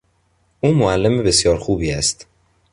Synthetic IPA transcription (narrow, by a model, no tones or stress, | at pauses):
ʔuːmoælːemebe̞sjɒːɾxuːbiːæst̪